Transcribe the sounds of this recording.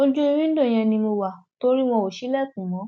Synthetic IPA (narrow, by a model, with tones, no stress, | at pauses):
o˧˦d͡ʒu˦i˧ɾĩ˦dõ˦˨j̃ɛ̃˧nĩ˧mo˧wa˨to˧˦ɾi˦w̃ɔ̃˧o˨ʃi˦lɛ˦˨k̚ũ˨mɔ̃˨˦